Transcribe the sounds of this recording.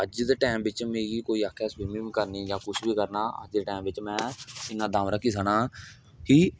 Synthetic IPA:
əd͡ʒd̪eːʈɛːmʋɪt͡ʃmẽːɡiːkoːiːaːkʰːɛːswiːmĩːbiːkəɾniːjãːkʊt͡ʃʰbiːkəɾnaːə̰d͡ʒd̪eːʈɛːmʋɪt͡ʃmɛ̃ːɪnãːd̪ãːʋɾakiːsanaː | ɦiː

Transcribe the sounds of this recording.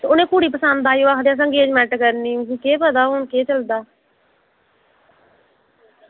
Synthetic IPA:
ʊnẽːkuːɽiːpəsənd̪aːjoːaːkʰd̪ãːs̬əŋɡeːd͡ʒmɛ̃ɳʈkəɾniːsĩːkeːpəd̪aːoːɳkeːt͡ʃəld̪aː

